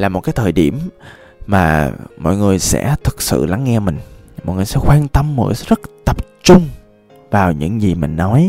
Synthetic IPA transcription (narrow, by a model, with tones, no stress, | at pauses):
laː˨˩mo˨˩t̚kaː˨˦jt̪ʰəː˨˩jɗi˧˩əm | maː˨˩mɔ̰˧˨jŋɨ˨˩əjsɛ̰˧˥t̪ʰɨ˨˩k̚sɨ̰˧˨la˨˦ŋːɛ˧mï˨˩ŋ̟mɔ̰˧˨jŋɨ˨˩sɛ̰˧˥xwaː˧nt̪ə˧mːə̰˧˩jzə˦˥t̚t̪ə˨˩p̚t͡ɕʊ˧ŋ͡m | vaː˨˩wɲɨ̰˧˥ŋzi˨˩mï˨˩ŋ̟nɔ˨˦j